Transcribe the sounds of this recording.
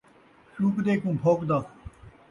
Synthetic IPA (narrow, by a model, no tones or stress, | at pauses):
ʃuːkd̪eːkũːpʰoːkd̪aːk